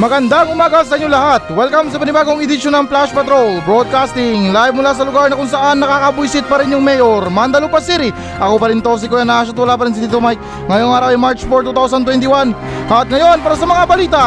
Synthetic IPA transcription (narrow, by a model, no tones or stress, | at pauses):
mɐɡɐnd̪aŋʊmaːɡɐs̬ɐʔiɲːolɐhat̪̚wɛlkɐms̬ɐpɐnɪbaːɡoŋɪd̪ɪʃonɐŋplaʃpɛt̪ɾolbɾod̪̚kast̪ɪŋlajvmʊlaːs̬ɐlʊɡaɹnɐkʊŋsɐʔanːɐkaːkɐbujsɪt̪̚pɐɾɪnjʊŋmɛjoɾmand̪ɐlopɐsiɾɪ | ʔɐkopɐɾɪnt̪os̬ɪkojanːaːʃat̪̚wɐlaːpɐɾɪns̬ɪt̪ɪt̪umajk̚ | ŋɐjoŋaːɾɐwjɪmaɹt͡ʃfoɹt̪uːt̪awsɐnt̪wɛnt̪ɪwan | ʔɐt̪̚ŋɐjo̞npaːɾɐs̬ɐmɐŋabɐliːt̪ɐ